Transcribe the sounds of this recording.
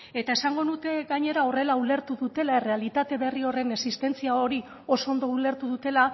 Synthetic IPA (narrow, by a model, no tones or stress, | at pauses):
e̞t̪ae̞saŋɡo̞nut̪e̞ɡaɲe̞ɾao̞re̞laule̞ɾt̪uðut̪e̞lae̞re̞alit̪at̪e̞βe̞rio̞re̞ne̞sist̪e̞nt͡siao̞ɾi | o̞so̞nd̪o̞ule̞ɾt̪uðut̪e̞la